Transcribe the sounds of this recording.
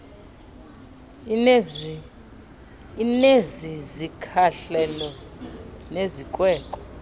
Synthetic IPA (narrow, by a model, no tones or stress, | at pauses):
inezizikʰaɬɛlɔ | nezikʼwɛːkʼɔ̥